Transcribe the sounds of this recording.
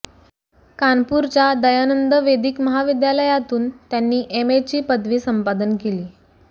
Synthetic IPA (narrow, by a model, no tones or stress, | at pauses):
kanpuɾt͡ɕjad̪əjanənd̪əʋed̪iːkməɦaʋid̪jaləjat̪uːnt̪janːiːʔemet͡ɕiːpəd̪ʱʋiːsəmpad̪ənkeliː